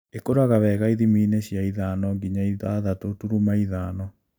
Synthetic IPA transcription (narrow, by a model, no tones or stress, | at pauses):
ekoɾaɣaβɛɣaiðimiːneɕjaiðaːnɔɡiɲaiðaðatotuɾumaiðaːnɔ